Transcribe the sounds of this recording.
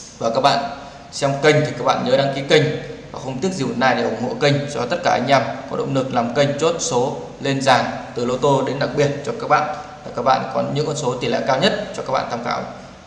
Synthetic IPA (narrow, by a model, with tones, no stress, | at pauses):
vaː˨˩kaː˦˥k̚ɓa̰ː˧˨n | swŋ͡mkə˧ŋ̟t̪ʰi˨˩kaː˦˥k̚ɓa̰ː˧˨nɲəː˨˦ɗa̰ː˧ŋki˨˦kə˧jŋ̟vaː˨˩xə˧wŋ͡mt̪i˦˥ək̚zi˨˩wnaː˧jɗe˧˩ʔʊ˨˩ŋ͡mho̰˧˨kə˧ŋ̟zɔ˧ɔ˧˨˦t̪ə˦˥t̚kaː˧˩ʔa˧jŋ̟ʔa˧mkɔ˨˦ɗo̰˧˨wŋ͡mlɨ˨˩ək̚laː˨˩mkə˧jŋ̟t͡ɕo˦˥t̚so˨˦ | le˧nzaː˨˩ŋt̪ɨ˨˩lo˧t̪o˧ɗe˨˦nɗa˨˩k̚ɓi˨˩ət̚t͡ɕɔ˧kaː˦˥k̚ɓa̰ː˧˨nvaː˨˩kaː˦˥k̚ɓa̰ː˧˨nkɔ˨˦ɲɨ̰˧˥ŋkɔ˧nso˨˦t̪i˨˩lɛ̰˧˨kaː˧wɲə˦˥t̚t͡ɕɔ˧kaː˦˥k̚ɓ̰ːnt̪ʰa˧mka̰ː˧˩w